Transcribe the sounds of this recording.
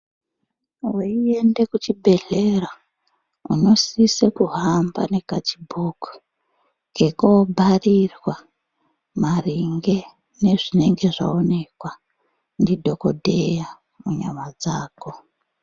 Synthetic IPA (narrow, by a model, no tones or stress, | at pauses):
weiende̞kut͡ʃibʱe̞ɮe̞ra | ṵno̞sisekuɦamba̰ne̞kat͡ʃibʱoːku̥ | ke̞kobʱarirwa | mariŋɡe̞ | ne̞ʐine̞ŋɡe̞ʐa̰one̞kwa | ndidʱo̞ko̞dʱeja | muɲamad͡zaːko̞